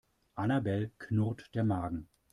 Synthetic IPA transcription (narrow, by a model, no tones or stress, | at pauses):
ʔanabɛlkʰnʊʁtd̥eːɐmaːɡŋ̩